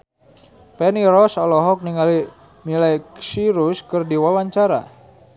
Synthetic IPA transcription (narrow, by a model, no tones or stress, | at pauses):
pɛniɾɔsɔlɔɦɔk̚niŋali | milajksiɾuskərdiwawaɲt͡ʃaɾa̰